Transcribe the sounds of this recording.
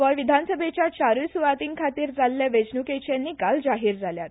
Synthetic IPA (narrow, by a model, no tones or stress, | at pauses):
ʋɔjʋid̪ʱansəbʱet͡ɕjat͡ɕaɾusuʋat̪iːŋkʰat̪iːɾd͡zalːaʋed͡ʑnuket͡ɕjanːiːkald͡zaɦiːɾd͡zʱaljat̪